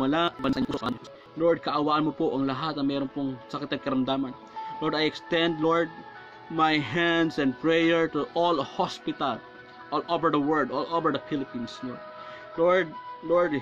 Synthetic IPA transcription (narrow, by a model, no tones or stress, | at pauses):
ɐlabɐnsɐusʔɐno | loɹd̪̚kɐʔɐwaːʔɐnmopoʔɐŋlɐɦat̪̚nɐmɛːɾonpoŋsɐkɪt̪ɐd̪̚kɐɾɐmd̪aːmɐn | loɹd̪ajɛkst̪ɛnd̪loɹd̪̚ | majɦand̪sɛ̃nd̪̚pɹɛjɛɹt̪ʊʔolhospɪt̪ɐl | ʔolʔovɛɹd̪ɐwɛɹld̪olʔovɛɹd̪ɐfilɪpinsloɹd̪̚ | loɹd̪̚loɹd̪